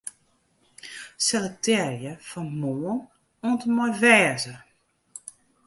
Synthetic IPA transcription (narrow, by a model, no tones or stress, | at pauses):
sɛlətʰɛrjəfɔnmoːən | oəntəmɔjvɛːzə